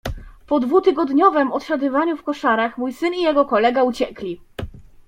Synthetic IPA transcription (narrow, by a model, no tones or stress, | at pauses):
pɔd̪vut̪ɘɡɔd̪ɲɔvɛmɔt̪ɕad̪ɨvaɲufkɔʂaɾaxmujsɘnijɛɡɔkɔlɛɡaut͡ɕɛklʲi